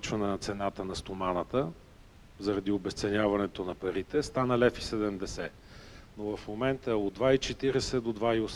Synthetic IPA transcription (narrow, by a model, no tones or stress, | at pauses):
t͡ʃvɐnɛnɐt̪sɛnat̪ənɐst̪omanət̪ə | zɐɾɐd̪iobɛst̪sɛnʲavɐnɛt̪onɐpɐɾit̪ɛst̪anəlɛfi̥sɛd̪ɛmd̪ɛsɛ | novɐfmomɛnt̪əod̪vait͡ʃɛt̪iɾɛsɛd̪od̪vaios